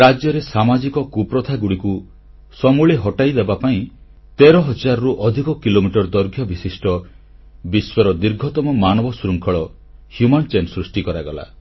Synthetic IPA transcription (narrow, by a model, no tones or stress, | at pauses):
ɾad͡ʒjɔɾesamad͡ʒikɔkupɾɔt̪ʰaɡuɽiku | sɔmuɭeɦɔʈajd̪ebapaĩ | t̪eɾɔɦɔd͡ʒaɾɔɾuʔɔd̪ʱikɔkilomiʈɔɾd̪ɔɾɡʱjɔbisisʈʰɔ | biswɔɾɔd̪iɾɡʱɔt̪ɔmɔmanɔbɔsuɾuŋkʰɔɭɔ | hjumɔnt͡ʃensɾusʈikɔɾaɡɔla̰